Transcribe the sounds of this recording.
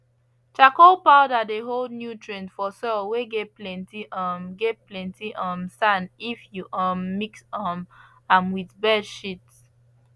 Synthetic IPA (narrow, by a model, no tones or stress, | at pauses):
t͡ʃakolpadadeɦoldnjutʰɹẽnfɔsɔlweɡetplɛ̃ntiʔɔmɡet̚plɛ̃ntiʔɔ̃msãnifjuʔɔ̃mːiksɔm | ãmwiðbɛdʃits